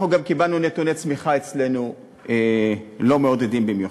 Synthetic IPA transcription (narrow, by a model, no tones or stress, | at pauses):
χuɡamkibalnunet̪unet͡smiχaet͡sle̞nu | elo̞meod̪jodimbimju